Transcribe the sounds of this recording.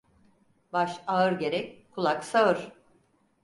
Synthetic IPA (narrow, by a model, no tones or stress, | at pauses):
baʃaɯɾɟe̞ɾɛckʰulˠaksaɯɾ̥